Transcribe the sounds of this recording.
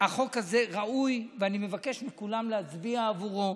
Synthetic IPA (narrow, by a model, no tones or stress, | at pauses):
haχo̞kaze̞ʁaʔujveanime̞vake̞ʃmikulamleazbiaːvuʁo